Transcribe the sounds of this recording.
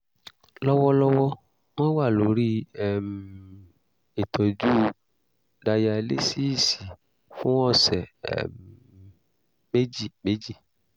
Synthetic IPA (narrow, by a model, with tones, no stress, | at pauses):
lɔ˦wɔ˦lɔ˦wɔ˦ | m̃ɔ̃˦wa˦˨lo˨˦ɾi˦ɛ˦˨m˨ | e˨tʰɔ˨d͡ʒu˦ | da˧ja˧lḛ˦si˦i˦˨si˨ | fũ˦ɔ̃˦˨sɛ̰˨ | me˦d͡ʒi˦˨me˨˦d͡ʒi˦˨